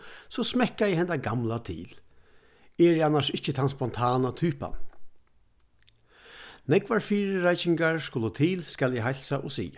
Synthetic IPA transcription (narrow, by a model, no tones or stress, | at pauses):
sɔsmɛkːajɛhɛnd̪aɡamlat̪ʰḭːl | ɛːɹjɛanːaʂɪht͡ʃət̪ʰanspɔnt̪ʰaːnat̪ʰyːpa̰n | nɛkʋaɹfiːɾəɾajsɪŋɡaɹskʊlət̪ʰiːlskaljɛɦajlsaʔɔsḭː